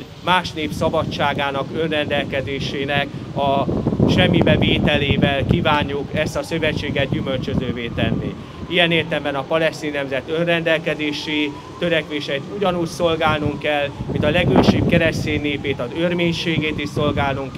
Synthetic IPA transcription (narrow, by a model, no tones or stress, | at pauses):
maːʃneːpsɒbɒt͡ʃːaːɡaːnɒkø̞nrɛnd̪ɛlkɛd̪eːʃeːnɛk | ɒʃɛmːibɛveːt̪ɛleːvɛlkiːvaːɲːukɛst̪ɒsø̞vɛt͡ʃːeːɡɛd̪̚ɟymø̞lt͡ʃø̞zøːveːt̪ɛnːḭ | ijɛneːrt̪ɛmbɛnɒpɒlɛst̪iːnːɛmzɛt̪ø̞nrɛnd̪ɛlkɛd̪eːʃi | t̪ø̞ɾɛkʋeːʃɛit̪uɟɒnuːcso̞lɡaːlnuŋkɛlmint̪ɒlɛɡøːʃib̚kɛɾɛst̪eːnːeːpeːt̪ɒzørmeːɲʃeːɡeːt̪iʃso̞lɡaːlnuŋk